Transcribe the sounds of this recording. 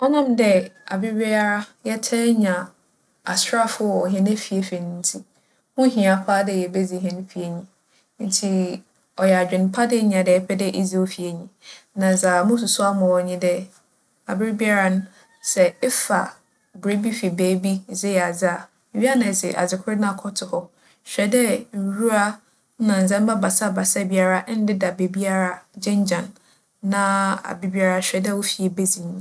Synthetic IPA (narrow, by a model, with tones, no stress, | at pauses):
ɔ˦nã˦mdɛ˦a˨bɪ˦ɾbi˦a˦ɾa˦jɛ˦tʰɛ˦ɲã˨ | a˨sa˦fʊ˦˨ɔ˨ɦɛ̃˨ne˦fi˨e˨fɛ˨nɪ̃˦n̩˦tʰi˦ | mʊ̃˦ɦĩ˨a˨pʰaː˦dɛ˦˨jɛ˨be˦d͡zi˨ɦɛ̃˦n˦fi˨e˨ɲĩ˨ | n̩˦tʰi˦ | ɔ˨jɛ˨a˨d͡ʑᶣɪ̃˨n˦pʰa˦dɪ˦ɲ˨ã˨dɛ˨ɛ˦pʰɛ˦dɛ˦ʔi˦d͡zi˦o˦fi˨e˨ɲĩ˨nã˨sa˨mʊ̃˦s̬ʊ˨sʊ˦a˦mʊ̃˨ɔ˨ɲĩ˦dɛ˦ | a˨bɪ˦ɾɪ˦bi˦a˦ɾa˦nʊ̃˦ | sɛ˨ɪ˦fa̰˨ | bɾe˦bi˦fi˨beː˨˦bi˦˨zɪ˦jɛ˨a˨zɪ˦a˨ | ɥi˦a˦nã˨sɪ̰˨ʔa̰˨d͡zɪ˨kʰʊ˦ɾɪ˦nã˦a˨kʰɔ˦tʰɪ˨hɔ˦ | ɕᶣɛ˨dɛ˦n̩˨ɾu˦ɾa˦ | nã˨n̩˨zɛ̃˦m̩˦ba˦ba˨sa˦˨ba˨sa˦˨bi˦a˦ɾa˦n̩˦dɪ˦da˨be˨bi˦a˦ɾa˨d͡ʑɪ̃˦ɲ˦d͡ʑã˨nː | ã˦a̰˨bɪ˦bi˦a˦ɾa˦ɕᶣɛ˨dɛ˦wo˦fi˨ɛ˨be˦zĩ˨ɲĩ˨